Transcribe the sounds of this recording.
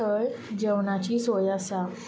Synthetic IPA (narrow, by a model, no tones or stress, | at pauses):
əɭd͡ʑəwnat͡ɕiːsojasa